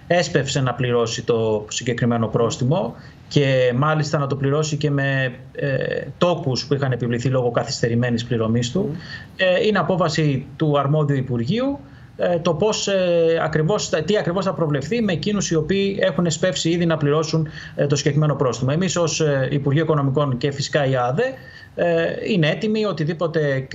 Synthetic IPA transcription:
e̞spe̞fse̞nɐpliɾo̞sit̪o̞siɲɟe̞kɾime̞no̞pɾo̞st̪imo̞ | ce̞mɐlist̪ɐnɐt̪o̞pliɾo̞sice̞me̞ | t̪o̞kuspuixɐne̞pivliθilo̞ɣo̞kɐθi̥st̪e̞ɾime̞nispliɾo̞mist̪u | ineɐpo̞fɐsit̪uɐɾmo̞ðiuipuɾʝiu | t̪o̞po̞sɐ̰kɾivo̞sɐt̪iɐkɾivo̞sθɐpɾo̞vle̞fθime̞ːcinusio̞piːe̞xune̞spe̞fsiiðinɐpliɾo̞sun | t̪osiɟekɾime̞no̞pɾo̞st̪imɐe̞miso̞sipuɾʝioiko̞no̞miko̞nce̞fisi̥kɐiɐðe̞ | inee̞t̪imio̞t̪iðipo̞t̪e̞

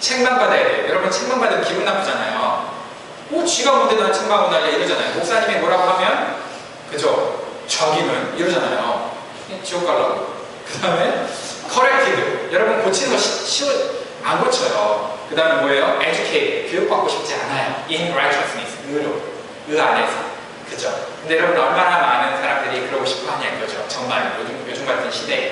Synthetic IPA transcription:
t͡ɕʰeŋmanbadejʌɾʌbunt͡ɕʰeŋmaŋbadekibunnapʰod͡ʑanajo̰ | kot͡ɕiɡʌmundedonant͡ɕʰeŋmaŋbodaieiɾɯd͡ʑanajomok̚s͈aɲimemoɾaphamjʌn | kɯd͡ʑo | t͡ɕʌɡimɯniɾɯd͡ʑanajo̰ | t͡ɕiɡok͈aɭːʌ | kɯdaɯme̞kʰʌɾek̚tʰibɯjʌɾʌbunkot͡ɕʰinɯɡʌɕʰiɕʰiɯn | anɡʌt͡ɕʰʌjokɯdaɯmemoejoʔed͡ʑukʰeitkijok̚p͈ak͈oɕʰi̥p̚t͡ɕ͈ianajoiɦimɾajt͡ɕʰʌs͈nis | ɯɾjo | ɯane̞sʰʌ | kɯd͡ʑokɯnde̞jʌɾʌbɯnʌɭmaɾamanɯnnsʰaɾamdɯɾikɯɾʌɡoɕʰi̥p̚t͈oɦaɲakɡʌd͡ʑot͡ɕʌŋmaɭkod͡ʑomkjod͡ʑoŋɡaɭtʰɯnɕʰide̞

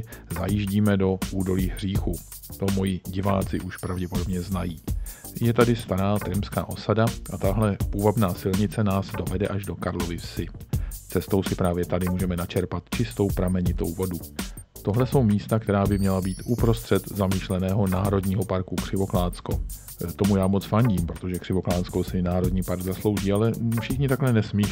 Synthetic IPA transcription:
zajiːʒɟiːmɛdo̞ʔuːdo̞liːɦr̝̥iːxu | t̪o̞mo̞jɪɟɪva̰ːt͡sɪʔuʃpɾavɟɛpodo̞bɲɛznajiː | jɛt̪adɪst̪aɾaːt̪ɾɛmpska̰ːʔo̞sadaʔat̪aɦlɛpuvabnaːsɪlɲɪt͡sɛnaːzdo̞vɛdɛʔaʒdo̞kaɾlovɪfsɪt͡sɛst̪o̞wsɪpɾaːvjɛt̪adɪmuːʒɛmɛnat͡ʃɛɾpat̪t͡ʃɪst̪o̞wpɾamɛɲɪt̪o̞̰wvo̞du | t̪o̞ɦlɛso̞wmiːst̪akt̪ɛɾaːbɪmɲɛlabiːt̪ʔupɾo̞st̪r̝̥ɛt̪zamiːʃlɛnɛːɦo̞naːɾo̞dɲiːɦopaɾkukr̥ɪvo̞klaːt͡sko̞ | t̪o̞mujaːmo̞t͡sfaɲɟiːmpɾo̞t̪o̞ʒɛkr̥ɪvo̞klaːt͡sko̞wsɪnaːɾo̞dɲiːpaɾɡzaslo̞wʒiːalɛfʃɪxɲɪt̪aklɛnɛsmiː

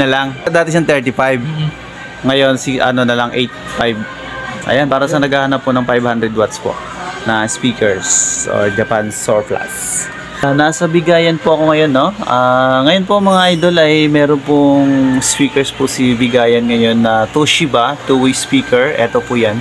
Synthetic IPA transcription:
nɐlaŋd̪aːt̪ɛʃɐŋt̪ɛɹt̪ɪfajv | ŋɐjo̞nsiʔɐ̰no̞nɐlɐŋʔɛjt̪̚fajb | ʔɐ̰janpaːɾɐsɐnɐɡaːhɐnɐpːʊnɐŋfajbhand̪ɾɛd̪wat̪spo̰ʔ | nɐspiːkɛɹsʔo̰ɹd͡ʒɐpansoɹfla̰s | nasɐbɪɡaːjɐnpʊʔɐko̞ŋɐjo̞nːo̞ʔaŋɐjo̞npoʔɐŋmɐŋaʔajd̪olɐjmɛːɾonpʊŋspiːkɛɹspʊsibɪɡaːjɐnŋɐjo̞nːɐt̪uʃɪbat̪uwispiːkɛɹʔɛ̰t̪o̞pʊjan

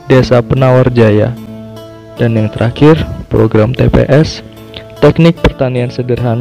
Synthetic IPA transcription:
desapənaward͡ʒaja̰ | danjaŋt̪əɾʔakɪrpɾoɡɾamt̪ḛpḛʔɛs | t̪ɛknɪk̚pərt̪aniansədərɦan

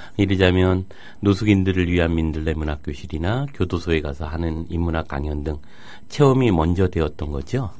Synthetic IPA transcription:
iɾɯd͡ʑamjʌnː | osʰuɡindɯɾɯɭɥiɦanmindɯɭːe̞munak͈joɕʰiɾinakjodosʰoe̞ɡasʰʌɦanɯnimːunak͈a̰ŋjʌndɯŋ | t͡ɕʰe̞ʌmimʌnd͡ʑʌdwe̞ʌt̚t͈ʌnɡʌd͡ʑo

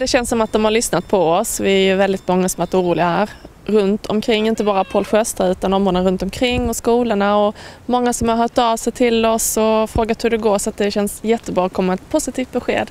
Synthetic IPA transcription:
d̪ɛɕɛnsːɔmat̪̚d̪ɔmhaɾɭʏsnat̪̚pʰɔɔsvɪæɾjɵvɛld̪ɪt̪mɔŋːasɔmvaʈuːɾuːlɪɡahæːɾ | ɾɵnt̪ʰɔ̰mkʰɾɪŋːɪnt̪əbɑːɾapʰoːlɧœst̪aʉ̟ːt̪and̪ɔmoːnəɾɵnt̪ɔmkʰɾɪŋːɔskuːləɳaɔmɔŋːasɔmhaɾɦœːʈɑvsɛjt̪ʰɪlɔsɔfɾoːɡat̪hɵɖɛɡoːɾʂɔat̪̚d̪ɛɕɛnsjɛt̪ːəbɾɑːɔkʰɔmːaɛt̪̚pʰʊsɪt̪ʰiːft̪̚bɛɧḛːd̪

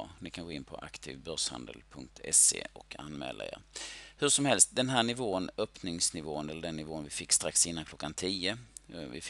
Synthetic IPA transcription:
nɪkʰanɡoːɪnpʰɔ̰ʔa̰kt̪ʰḭːvbœɾʂha̰nd̪ə̰lpʰɵŋk̚t̪ʰɛ̰sḛːɔkʰa̰nmɛ̰ːlʔa̰ḛːɾhɵʂɔmhɛlst̪̚d̪ɛnɦæːɳɪvoːənœpnɪŋsnɪvoːənɛlːəɖɛnːɪvoːnvɪfɪkːst̪ɾaksɪnːankʰlɔkːant̪ʰiːəvɪ̰

